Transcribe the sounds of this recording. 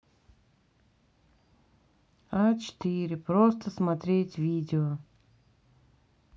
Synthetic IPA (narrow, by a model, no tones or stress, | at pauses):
at͡ʃt̪ʲiːɾʲɪpɾɔːst̪ɐsmɐt̪ʲɾʲeːt̪ʲvʲiːd̪ʲɪɔ